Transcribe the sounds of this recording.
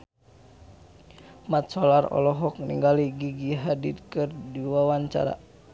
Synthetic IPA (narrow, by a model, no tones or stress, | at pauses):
mat̪̚sɔlarɔ̰lɔɦɔkniŋɡaliɡiɡiɦaditkɨrdiwawaɲt͡ʃa̰ɾa̰